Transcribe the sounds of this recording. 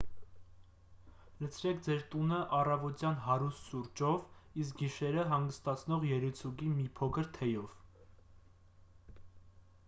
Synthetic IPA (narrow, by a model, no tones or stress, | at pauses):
lət͡sʰɾɛk̚ʰd͡zɛɾt̪unəʔɑrɑvɔt̪jɑnɦɑɾust̪ʃuɾd͡ʒɔvisk̚ɡiʃɛɾəɦɑŋɡəst̪ɑt͡sʰnɔʁjɛɾut͡sʰuɡimipʰɔkʰəɾt̪ʰɛjɔv̥